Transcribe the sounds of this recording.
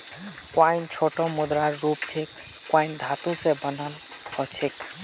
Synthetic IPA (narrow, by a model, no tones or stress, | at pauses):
kwaɪnt͡ʃʰoʈomʊd̪ɾaɾːupt͡ʃʰekː | waɪnd̪ʱat̪ũsebənəl | ɔt͡ʃʰek